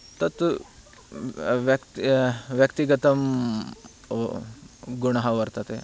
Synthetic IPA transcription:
t̪ɐt̪ | ʋɐkt̪ʋjɐkt̪iɡɐt̪ɐm | ɡuɳɐɦɐʋɐɾt̪ɐt̪e

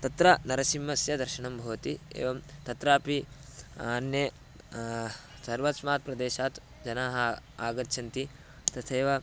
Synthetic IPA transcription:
t̪ɐt̪ɾɐnɐɾɐsimːɐsjɐd̪ɐɾʃɐɳɐmbʱɐʋɐt̪iḛːʋɐmt̪ɐt̪ɾaːpianje | sɐɾʋɐt̪smaːt̪̚pɾɐd̪eːʃaːt̪ | d͡ʒɐnaːɦɐaːɡɐt̪ːʃʰɐnt̪i | t̪ɐt̪ʰeːʋɐ

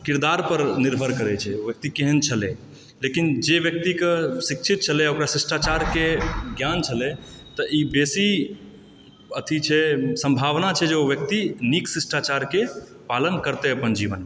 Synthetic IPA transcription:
kiɾd̪aɾpəɾniɾbʱəɾkəɾɛt͡ʃʰɛobjək̚t̪ikeɦənt͡ʃʰəlɛ̃ | lekind͡ʒeʋjək̚t̪ikesikt͡ʃʰit̪̚t͡ʃʰəlɛokɾasisʈat͡ʃaɾkeɡjant͡ʃʰəlɛt̪əʔibesi | ət̪ʰit͡ʃʰɛsə̃mbʱaʋnat͡ʃʰɛd͡ʒeoʋjək̚t̪iniksisʈat͡ʃaɾke | palənkəɾt̪ɛəpənd͡ʒiʋənme

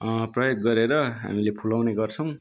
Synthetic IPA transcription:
prʌjoɡːʌɾeɾʌɦa̰milepʰulawneɡʌrt͡sʰʌw̃

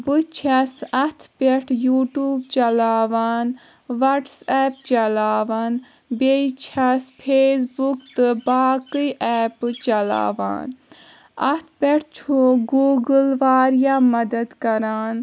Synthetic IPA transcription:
bɨt͡ʃʰɐsɐt̪ʰpeʈʰjuːʈuːbt͡ʃɐlaːʋaːn | ʋɐʈsɛːpt͡ʃɐlaːʋan | beit͡ʃʰɐspʰeːs̬bukt̪ɨbaːkɨjʔɛːpt͡ʃɐla̰ːʋa̰ːn | ɐ̰t̪ʰpʲeʈʰt͡ʃʰoɡuːɡɨlʋaːɾjaːmɐd̪ɐd̪kɐɾaːn

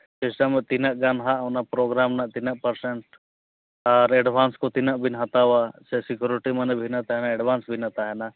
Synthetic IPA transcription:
t͡ʃesamet̪inaʔɡanɦaʔnapɾoːɡɾaːmnat̪inaʔpəɾseɳʈ | aːɾeɖʋaːnskot̪inaʔbʱinɦat̪awasesɪkjuɾiʈimɐnebʱinat̪aɦɛnaeɖʋaːnsbʱinat̪aɦɛna

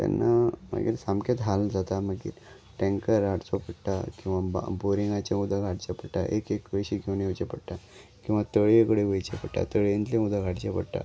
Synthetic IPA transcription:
t̪a̰nːama̰ɡḭːɾsamket̪ɦald͡zat̪amaɡḭːɾ | ʈẽŋkəɾaɽt͡sopəɽʈ̪akĩw̃ʋaboɾiŋɡat͡ɕãud̪ʱaɡʱaɽt͡ɕapəɽʈa̰ʔekekʋəjɕiɡʰʱewnit͡ɕepəɽʈ̪akĩw̃ʋat̪əɭekɽeʋəjt͡ɕepəɽʈa̰t̪əɭent̪lẽud̪ʱaɡaɽt͡ɕepəɽʈ̪a̰

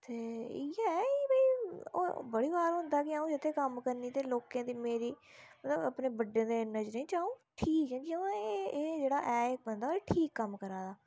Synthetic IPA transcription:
t̪eːiɛːiːbəiːo̰ːbəɽiːbaːɾɦʊ̃nd̪aːkɪaũːd͡ʒɪt̪ʰːeːkəmkəɾniːt̪eːloːkãːd̪iːmeːɾiː | mət̪ləbəpneːbəɖẽːd̪eːnəd͡ʒɾeĩːt͡ʃ̪aːũːʈʰiːkd͡ʒɛ̃ːd͡ʒiə̃eeːd͡ʒeːɽaːʔɛːek̚bənd̪aeːʈʰiːkːəmkəɾaːd̪aː

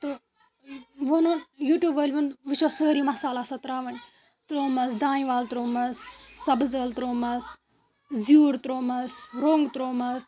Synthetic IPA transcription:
t̪o | ʋononjuːʈjuːbəːlʲʋɐnʋɨt͡ʃʰosəːɾimɐsaːlasɐt̪ɾaːʋɐnʲ | t̪ɾoːmɐsd̪aːnĩʋaːlt̪ɾoːmɐsːɐbzəːlt̪ɾoːmɐs | zjuːɾt̪ɾoːmɐsɾoːŋɡt̪ɾoːmɐs

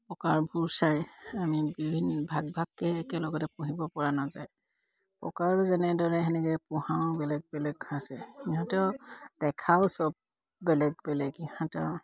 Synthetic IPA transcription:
pɔkaɹbʱuɹsajamibibʱinbʱaɡ̚bʱaɡːɛːkɛlɔɡɔtɛpuɦibɔpɔɹanazaj | pɔ̰kaɹzɛnɛdɔɹɛɦɛnɛkɛpũhãʊbɛlɛɡ̚bɛlɛɡʰasɛiɦɔ̃tɛʊd̥ɛkʰaʊsɔb̚ː | ɛlɛɡ̚bɛlɛɡihɔ̃tɛʊ

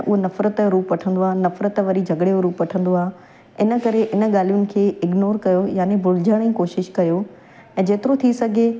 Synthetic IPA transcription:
ʔʊɦonɐfɾət̪əɾuːpʋɐʈʰə̃n̆d̪oaːɦnɐfɾət̪ʋɐɾid͡ʑʱɐɡɽeoɾuːpʋɐʈʰə̃nd̪oaːɦ | ɪnə̆kɐɾeʔɪnə̆ɠaːlijʊnɪ̆kʰeːɪɡnoːɾkɐjojaːnebʊlɪd͡ʑəɽ̃ĩːkoːʃɪʃkɐjo | ɛ̃ːd͡ʑeːt̪ɪɾot̪ʰisɐɡʱe

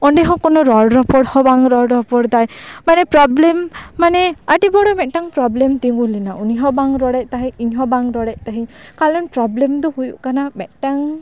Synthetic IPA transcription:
ɔɳɖɛɦɔ̃kɔnɔɾɔɽɾɔpɔɽhɔ̃baŋɾɔɾɾɔpɔɽd̪ajmanɛpɾɔblɛmːanɛaʈibɔɽɔmɛt̪̚ˀʈaŋpɾɔblɛmt̪iŋɡulinauniɦɔ̃baŋɾɔɽɛʔ̚ˀt̪aɦɛiɲɦɔ̃baŋɾɔɽɛʔ̚ˀt̪aɦiɲkalɔnpɾɔblɛmd̪ɔhujuʔkanamɛt̪̚ˀʈaŋ

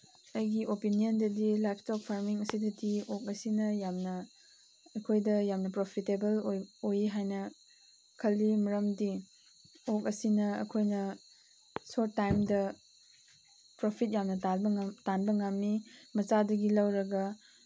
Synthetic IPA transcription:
ɐjɡiʔopinijɐndɐdilajpʰtok̚pʰaɾmiŋɐsidɐdiok̚ɐsinɐjamnɐ | ɐkʰojdɐjamnɐpɾopʰitebɐlojojiɦajnɐ | kʰɐlːimɐɾɐmdi | ok̚ɐsinɐɐ̰kʰojnɐ | soɾːajmdɐ | pɾopʰit̚jamnɐtabɐŋtanbɐŋamːimɐt͡ʃadɐɡilɐwɾɐɡɐ

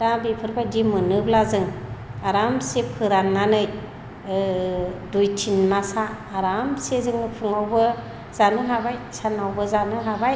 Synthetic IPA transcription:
ɾabipʰɯɾbajdimɯnɯblazɯŋaɾamsepʰɯɾanːanɯj | dujtʰinmasaː | ɾamsezɯŋnɯpʰɯŋawbɯ | zanɯɦabajsanawbɯzanɯɦabaj

